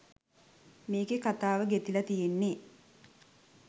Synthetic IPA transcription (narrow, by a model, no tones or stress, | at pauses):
meːɡekat̪aːʋəɡet̪ilɐt̪ijenːe